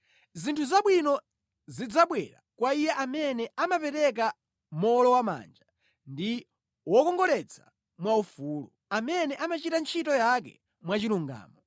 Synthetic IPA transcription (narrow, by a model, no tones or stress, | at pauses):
zintʰuzaɓwinɔ | zid͡zaɓwɛ̰ɾa̰kwaijɛʔamɛnɛamapɛɾɛk̬a | mɔlɔwama̰ːnd͡ʒa | ndi | wɔkɔŋɡɔlɛt͡sʰa | mwaufulu | amɛnɛʔamat͡ʃitant͡ʃʰitɔjak̬ɛ̰ | mwat͡ʃiluŋɡa̰ːmɔ